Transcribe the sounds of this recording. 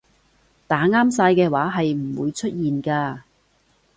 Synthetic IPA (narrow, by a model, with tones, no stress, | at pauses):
t̪aː˨˥ŋaː˥msaː˧jkɛː˧waː˨˥ɦɐ˨jm̩˨˩wṵː˨˧jt͡ʃʰɵ˥t̚jiː˨nkaː˧